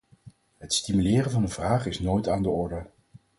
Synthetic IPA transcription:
ɦətstimylɪːrənvɑnənvraːχɪsnojtaːndəɔɹdə

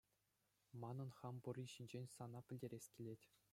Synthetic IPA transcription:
mɑnɤ̆nχɑmbŭrʲiɕinʲd͡ʑenʲsɑnɑpʲɘ̆lʲdʲeɾʲesʲkʲilʲetʲ

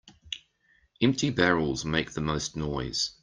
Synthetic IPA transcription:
ɛ̃mp̚tʰibɛɹəlˠzmeɪk̚ðəməʊsnɔɪz̥

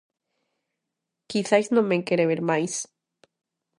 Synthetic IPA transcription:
kisajsnõmeŋkeɾeβeɾmajs

